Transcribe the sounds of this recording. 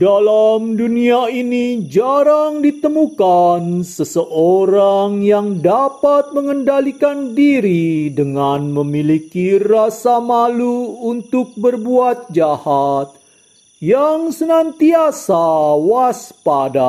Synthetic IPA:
dalamduniainid͡ʒaɾaŋdit̪əmukansəsəʔoɾaŋjaŋdapat̪̚məŋəndalikandiɾidəŋanməmilikirasamaluːnt̪ʊk̚bərbuat̪̚d͡ʒahat̪̚ | jaŋsənant̪iasawaspada̰

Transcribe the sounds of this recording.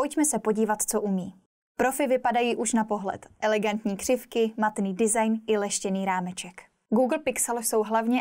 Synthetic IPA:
ʔojcmɛsɛpo̞ɟiːvat̪t͡so̞ʔumiː | pɾo̞fɪvɪpadajiːʔuʃnapo̞ɦlɛ̰t̪ʔɛlɛɡant̪ɲiːkr̝̥ɪfkɪmat̪niːdɪzajnʔɪlɛʃcɛniːɾaːmɛt͡ʃɛk | ɡuːɡl̩pɪksɛlso̞wɦlavɲɛ

